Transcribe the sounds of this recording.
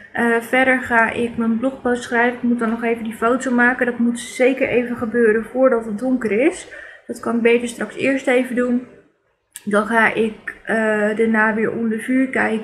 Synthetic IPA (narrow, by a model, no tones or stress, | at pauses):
ʔəvɛdəɹχaːʔɪkmənblɔχpostsχrɛjvənɪk̚mut̚dɔnːɔχejvəndifowtomaːkəndɔtmutz̥ejkəɹʔejvəχəbøːɾənvʊːɹdɑtət̚dʊŋkərɪsdɑtkɑnbejtəɹstrɑksɪːɹstejvədun | dɑnχaːʔɪkədanaːʋɪːɹʔo̰ndəɹvyːɹkɛjk